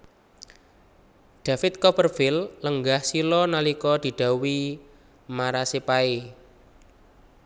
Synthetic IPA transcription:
ɖ̪̥ä̤fɪt̪̚kɔpərfɪlləŋɡahsilɔnalikɔd̪̥i̤ɖ̪̥a̤wi | maɾasepae

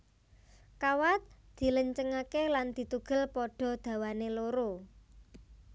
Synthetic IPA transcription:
kawat̪̚d̪̥i̤ləɲt͡ʃəŋakeland̪̥i̤t̪uɡ̥ə̤lpɔɖ̥ɔ̤d̪̥ä̤waneloɾo

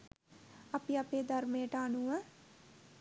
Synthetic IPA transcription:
ɐpiɐpeːd̪ɐɾmeːəʈəːnuə

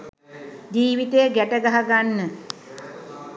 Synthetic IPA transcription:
d͡ʒiːʋit̪ejəɡæʈəɡaɦaɡanːə

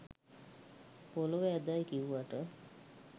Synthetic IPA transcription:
poloʋɛd̪ajkiʋuʋaʈə

